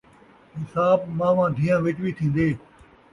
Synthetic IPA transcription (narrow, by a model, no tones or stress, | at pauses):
ɦɪsaːbmãːʋãːd̪ʱiːjãːʋɪt͡ʃʋiːt̪ʰĩːnd̪eː